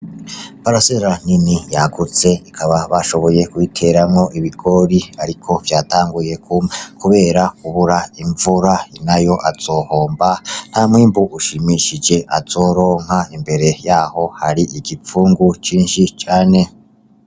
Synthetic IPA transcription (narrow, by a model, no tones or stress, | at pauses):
paɾaseɾan̥inijaɡut͡se̞ikʰaβaβaʃo̞βo̞je̞kwitʰe̞ɾamŋo̞ʔiβiɡo̞ɾiaɾikʰo̞vjaːtaːŋɡuje̞kukʰuβe̞ːɾakuβuɾaiɱvuɾainajo̞ʔaz̥o̞ho̞ːmban̥hamŋiːmbuʔuʃimiʃid͡ʒe̞ʔaz̥oːɾo̞ːŋ̥haimbe̞ɾe̞jaːho̞haɾiʔiɡip͡fuːŋɡut͡ʃiːnʃit͡ʃaːne̞